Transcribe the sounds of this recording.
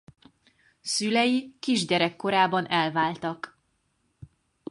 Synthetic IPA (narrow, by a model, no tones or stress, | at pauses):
sylɛjikiʒɟɛɾɛkːo̞ɾaːbɒnɛlvaːlt̪ɒk